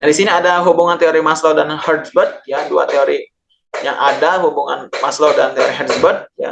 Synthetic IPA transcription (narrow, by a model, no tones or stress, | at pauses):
daɾisiniadaɦubuŋant̪eoɾimasladanhərsbərt̪̚jadua̰t̪eoɾi | jaŋʔadaɦubuŋa̰nmaslodant̪eoɾiɦədsbərd̪̚ja̰